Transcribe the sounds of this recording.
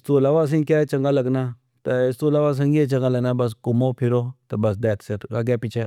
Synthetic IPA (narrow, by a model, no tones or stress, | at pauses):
st̪oːlaʋas̬ĩŋkeːt͡ʃɐŋɡaːlɐɡna | t̪ɐɪst̪oːlaːʋas̬ə̃ŋet͡ʃɐ̃ŋɡaləɡnaːbɐs̬kʊmoːpʰɪɾoːt̪ɐbɐsd̪ɛːt̪seɾaɡɛːpɪt͡ʃʰe